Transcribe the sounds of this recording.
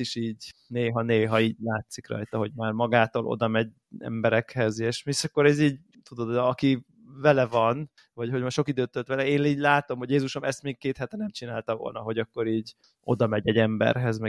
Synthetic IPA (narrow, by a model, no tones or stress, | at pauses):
iʃiːɟneːɦɒneːɦɒiːɟlaːt̪sikrɒ̰jt̪ɒɦo̞ɟmaːrmɒɡaːt̪oːlʔo̰d̪ɒmɛɟ | ɛ̰mbɛɾɛkhɛzeːʃmiʃɒkːo̞ɾɛziːɟ | t̪ud̪o̞d̪ɒki | vɛlɛvɒn | vɒcho̞ɟmaʃo̞kid̪øːtt̪øt̪ʋɛlɛeːniːɟlaːt̪omho̞ɟjeːzuʃomɛst̪meːk̚keːt̪hɛt̪ɛnɛmt͡ʃinaːlt̪ɒvo̞̰lnɒɦo̞ɟɒkːo̞ɾiːɟ | o̞̰d̪ɒmɛɟɛɟɛmbɛ̰rɦɛzmɛ